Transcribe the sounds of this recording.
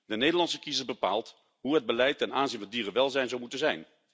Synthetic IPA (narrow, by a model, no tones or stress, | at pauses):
dənejdəlɑnsəkizəsbəpa̰ːlˠt | ɦuɦəd̚bəlɛjtːɛnaːnzinvɑndiːrənʋɛlˠzɛjnzɔwmutənzɛjn